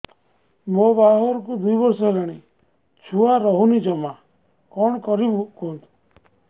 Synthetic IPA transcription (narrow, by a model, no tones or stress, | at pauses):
mobaɦɔɾkud̪ujbɔɾsɔlaɽ̃i | t͡ʃʰuaɾɔɦunid͡ʒɔma | kɔɳ̃kɔɾikont̪u̥